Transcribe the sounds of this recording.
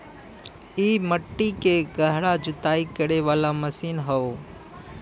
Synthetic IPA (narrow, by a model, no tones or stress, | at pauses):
iːməʈːikeɡəɦɽad͡ʒʊt̪aːikəɽeʋaːlaməsiːnɦəoː